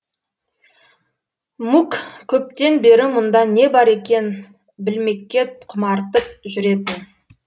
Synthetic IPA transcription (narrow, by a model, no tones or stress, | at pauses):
mukkʲʰɵp̚t̪e̞nbe̞ɾɪmʊnd̪ɑne̞bɑɾe̞kʲe̞n | bɪlme̞kʲːe̞t̪̚qʰʊmɑɾt̪əp̚ʒʏɾe̞d̪ɪ